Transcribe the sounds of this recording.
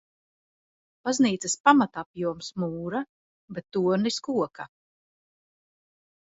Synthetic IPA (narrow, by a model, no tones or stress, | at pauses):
b̥azniːt̪sɐspamat̪apjuɔmsmuːɾa | bet̪ːuɔɾniskuɔka